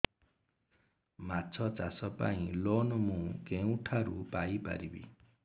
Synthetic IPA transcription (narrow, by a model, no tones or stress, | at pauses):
mat͡ʃʰɔt͡ʃasɔpa̰ĩlonɔmũkeũʈʰaɾupajpa̰ɾibḭ